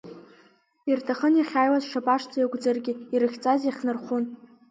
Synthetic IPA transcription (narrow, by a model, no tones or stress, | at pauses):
irtʰaχənjaχʲaːjwazʂapʼaʂt͡sʰʼajaɡʷd͡zɨrɡʲɪiɾɨχʲt͡sʼaziχʲnɨrχʷʊn